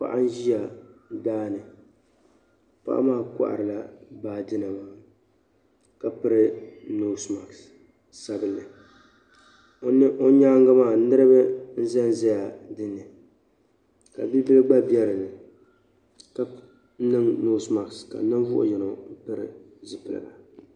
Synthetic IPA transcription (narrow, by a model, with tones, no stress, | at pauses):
pa̰˨ʔa˦n̩˦ʒi˦ja˨daː˦nɨ˨ | pa̰˦ʔa̰˦maː˦˨ka̰˦ʔa̰˨ɾɨ˨la˦baː˦dɨ˦na˨maː˦ | ka˨pɨ˦ɾɨ˦noː˦sma˨ks | sa˦bɨ˨lɨ˨ | o˦n˦ʔo˦ɲaː˦ŋɡa˦maː˦˨nɨ˦ɾɨ˦bɨ˦n̩˦zɛ˦n˦zɛ˦ja˨dɨ˦nːɨ˨ | ka̰˨bi˦bɨ˦lɨ˦ɡ͡ba˦bi˦ɛ˦ɾɨ˨lɨ˨ | ka˨˦ | nɨ˦ŋnoː˦sma˨kska̰˨˦nɨ˦nvʊ˦ʔʊ̰˦jɛ˨no˨m̩˦pɨ˦ɾɨ˦ | zɨ˨pɨ˨lɨ̰˨la̰˨